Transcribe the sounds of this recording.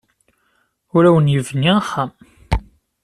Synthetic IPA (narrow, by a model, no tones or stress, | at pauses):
ʊɾæwənjəvniχːam